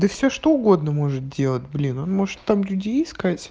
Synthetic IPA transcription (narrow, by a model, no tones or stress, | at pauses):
d̪əfsʲoʂt̪oʊɡo̞d̪nəmo̞ʐɨt̪̚dʲe̞lˠət̚ʲblʲino̞nmo̞ʐɨt̪ːamlʲʉdʲejɪskatʲ